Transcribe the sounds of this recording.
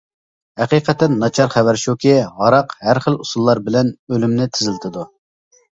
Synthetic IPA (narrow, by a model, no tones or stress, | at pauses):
hæqiqɛt̪ːɛnːɑt͡ʃʰɑɾχæwæɾʃukʲʰiʁɑɾɑqhæɾχəlˠusulˠːɑɾbɪlɛnølymnɪt̪ʰɪzɪlt̪ʰɪd̪u